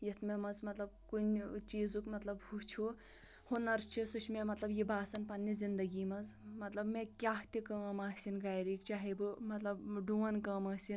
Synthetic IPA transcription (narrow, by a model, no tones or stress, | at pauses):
jit̪ʰmemɐzmɐt̪lɐb̚kunʲt͡ʃiːzukmɐt̪lɐbhut͡ʃʰu | hunɐɾt͡ʃʰisut͡ʃʰmemɐt̪lɐbjibaːsɐnpɐnːizind̪ɐɡiːmɐzmɐt̪lɐbmekʲaːɦt̪ikɐːmaːsinɡaːjɾikt͡ʃaːɦibɨmɐt̪lɐbɖuːɐnkɐːmɐːsin